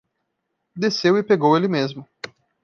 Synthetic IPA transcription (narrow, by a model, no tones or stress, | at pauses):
d̪esewɪpeɡowelɪmezmʊ